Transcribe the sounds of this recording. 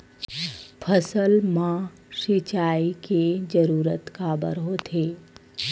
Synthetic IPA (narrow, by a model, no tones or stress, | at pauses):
pʰəsəlmã | ʃit͡ʃaːiked͡ʒəɾuːɾət̪kaːbə̰ɾɦoːt̪ʰeː